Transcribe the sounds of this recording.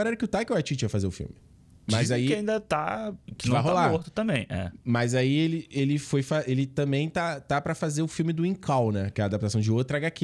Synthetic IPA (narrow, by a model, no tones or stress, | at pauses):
aɾɛɾɐkɪʊt̪ajkɪʊat͡ʃit͡ʃiɐfazeɾʊfḭwmɪ | mɐzzaikɪaĩnd̪ɐt̪a̰ɪ̃vaɦoalaɾoɾt̪ʊ̥t̪ɐ̃mbẽj̃ɛ̰mɐzaielɪʔelɪfojfaelɪt̪ɐ̃mbẽj̃t̪at̪apɾɐfazeɾʊfiwmɪd̪ʊĩkʰawnɛkɪɛɐaːd̪ap̚t̪asɐ̃w̃d͡ʒɪot̪ɾɐaɡaki